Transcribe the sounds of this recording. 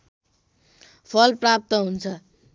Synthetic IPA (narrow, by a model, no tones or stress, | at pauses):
pʰʌlprap̚t̪ʌɦunt͡sʰʌ